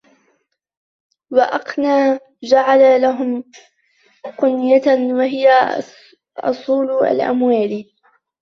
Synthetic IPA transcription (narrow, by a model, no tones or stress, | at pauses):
wɑʔɑqnaː | d͡ʒaʕalalaɦʊm | qʊnjat̪awaɦɪja | ʔʊ̰sˤuːla̰lʔa̰mwaːl